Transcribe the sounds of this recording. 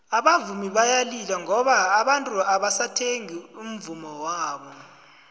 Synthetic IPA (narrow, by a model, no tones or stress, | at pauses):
aɓavumiɓajalilaŋɔɓaːɓantʼuaɓasatʰeŋium̩vumɔwaːɓɔ